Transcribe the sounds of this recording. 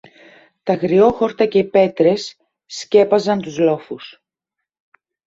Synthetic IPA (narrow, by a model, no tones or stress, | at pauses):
t̪ɐɣɾio̞xo̞ɾt̪ɐce̞ipe̞t̪ɾe̞sː | ce̞pɐzɐnt̪uzlo̞fus